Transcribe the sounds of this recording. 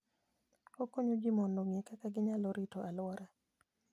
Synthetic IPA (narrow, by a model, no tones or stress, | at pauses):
okoɲod͡ʒimɔndoŋjekakaɡɪɲaloɾitoʔalwaɾa